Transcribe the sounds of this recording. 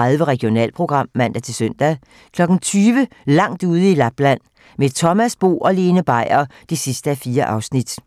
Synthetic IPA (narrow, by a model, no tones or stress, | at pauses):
aðˠʋəʁɛɡ̥io̝nɛ̰ːl̚pʰʁo̝ɡ̥ʁɑ̈m̰ːæn̰d̥æt͡sʰe̝lsøn̰d̥æ | kʰlɒ̽ɡ̥ŋ̩t͡sʰyːʋə | lɑ̈ŋ̰d̥uːð̞ˠəilæb̥læn̰ | met͡sʰɒ̽mæsb̥o̝̰ːʔɒ̽le̝ːnəb̥ɑ̈ɪ̰ɐd̥esisd̥əæfiːɐʔɑ̈ʊsnid̥